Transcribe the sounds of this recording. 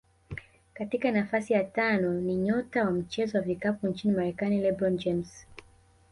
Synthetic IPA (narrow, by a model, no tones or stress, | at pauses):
katikanafasijatanɔniɲɔtawam̩t͡ʃɛzɔwavikapuɲt͡ʃinimaɾɛkanilɛbɹɔnd͡ʒɛms